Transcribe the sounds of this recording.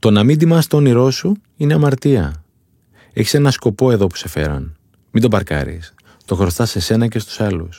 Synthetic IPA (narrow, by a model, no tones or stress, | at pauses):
t̪o̞nɐmind̪imɐst̪oniɾo̞su | ine̞ɐmɐɾt̪iɐ | eçi̥se̞nɐsko̞po̞eðo̞pu̥se̞fe̞̰ɾɐ̰n | mind̪o̞bɐɾkɐ̰ɾḭs | t̪o̞xɾo̞st̪ɐse̞se̞nɐce̞st̪u̥sɐlus